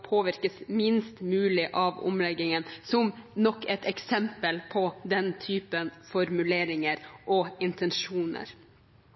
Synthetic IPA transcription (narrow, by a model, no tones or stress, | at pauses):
pʰoːʋɪɾkəsmɪnst̪mʉːlɪʔɑʋʊ̰mlɛɡɪŋənsɔmnɔkːɛt̪ɛksɛmpəlpʰɔd̪ɛnt̪ʰyːpənfɔɾmʉleːɾɪŋəɾʔɔɪnt̪ənʂuːnə̰ɾ